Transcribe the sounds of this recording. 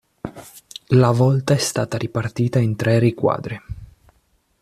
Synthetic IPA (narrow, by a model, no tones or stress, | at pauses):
lavɔlt̪aɛst̪aːt̪aɾipart̪iːt̪aint̪ɾɛrikwa̰ːd̪ɾi